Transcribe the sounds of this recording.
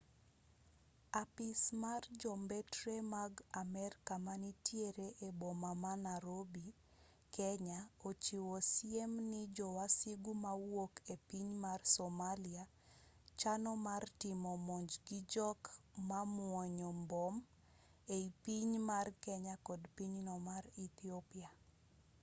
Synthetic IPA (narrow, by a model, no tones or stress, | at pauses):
apɪsmard͡ʒɔmbetɾemaɡamɛrkamanitjeɾeʔebɔmamanaɾobi | kɛɲaot͡ʃiwɔsjemnɪd͡ʒɔwasiɡumawokepiɲmarsomalɪa | t͡ʃanɔmartɪmɔmɔɲd͡ʒɡid͡ʒɔkmamwɔɲɔmbɔm | eipiɲmarkɛɲakɔdpiɲnɔmaɾit̪iopia